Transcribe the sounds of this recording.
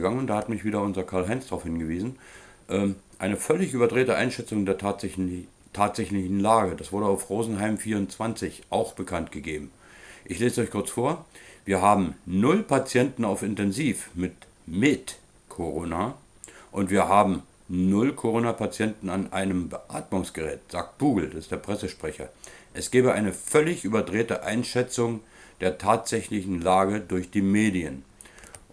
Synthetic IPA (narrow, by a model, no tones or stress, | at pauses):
ɡaŋənʊntd̥aːhatmɪçv̥iːɾɐʊnzɐkʰaɐlɦaɪnsd̥ʁaʊfhɪnɡəviːzn̩ | ʔɛːʔaɪnəfœlɪçyːbɐdʁeːtəʔa̰ɪnʃɛt͡sʊŋdeːɐ | tʰaːtz̥ɛçlɪçn̩laːɡəd̥asv̥ʊɐɾəaʊfʁoːzn̩ɦaɪmfiːɐʊntt͡sv̥ant͡sɪçʔaʊxb̥əkʰantɡ̥əɡeːbm̩ | ʔɪçleːzəɔʏçkʰʊɐt͡sfoːɐviːɐɦaːbm̩nʊlpʰat͡sjɛntn̩aʊfɪntɛnziːfmɪt | mɪt | kʰoʁoːna | ʔʊntv̥iːɐɦaːbm̩ | nʊlkʰoʁoːnapʰat͡sjɛntn̩anʔaɪnəmbəʔa̰ːtmʊŋsɡ̥əʁɛ̰ːtz̥aːk̚t̚b̥uːɡl̩dasɪstd̥eːɐpʁ̥ɛsəʃpʁ̥ɛçɐ̰ʔɛsɡ̥ɛːbəʔaɪnəfœlɪçʔyːbɐdʁeːtəʔa̰ɪnʃɛt͡sʊŋ | d̥eːɐtʰaːtz̥ɛçlɪçn̩laːɡədʊɐçd̥iːmeːdiən